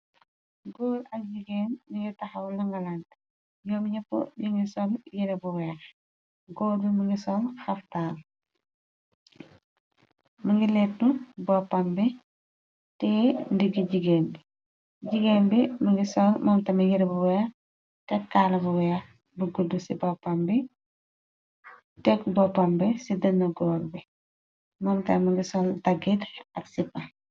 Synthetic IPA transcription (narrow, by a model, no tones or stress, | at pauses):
ɡoːlɐk̚ɟiɡeːnmiŋɡitɐxɐwlɐŋɡɐlan | jɔmɲɐpːo̰ɲiŋɡisɔːnjiɾɛbuwɛːx | ɡoːlbimuŋɡisɔnxɐftaːl | muŋɡilɛt̚nubɔːpːambi | tɛndiɡiɟiɡeːmbi | ɟiɡeːmbimɐŋɡisɔlmɔːmtɐmiɡiɾbuwɛɐ | tɛkːalɐbuwɛɐ | bəɡudusibɔpːɐmbi | tɛkbɔpːɐmbisidɐnːɐɡɔːlbi | mɔːmtɐmɐŋɡisɔltɐɡitɐksipːɐ